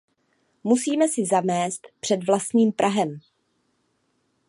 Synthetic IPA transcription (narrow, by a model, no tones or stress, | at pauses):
musiːmɛsɪzamɛːst̪pr̥ɛdvlast̪ɲiːmpɾʔaɦɛm